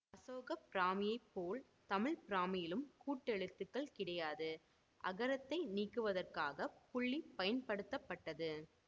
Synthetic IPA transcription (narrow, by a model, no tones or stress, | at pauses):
ɐsoːɣɐpɪɾaːmɪjɐɪpːoːl | t̪ɐmɪɭpɪɾaːmɪjɪlɯmkuːʈːɛɭɯt̪ːɯkːɐɭkɪɽɐjaːðɯ | ʔɐ̰ɣɐɾɐt̪ːɐɪniːkːɯʋɐðɐrkaːɣɐpʊɭːipɐjɐnpɐɽɯt̪ːɐpːɐʈːɐðɯ